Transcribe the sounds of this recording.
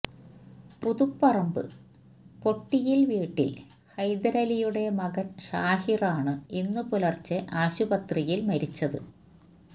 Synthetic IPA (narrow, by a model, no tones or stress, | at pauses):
puðupːɐrɐmbɨ̰ | po̞ʈːijilʋiːʈːḭl | hɐjd̪ɐɾɐlijuɽe̞mɐɣɐnɕaːhiraːɳɨinːɨpulɐrt͡ɕːɨʔaːɕubɐt̪rijilmɐɾit͡ɕːɐðɨ̰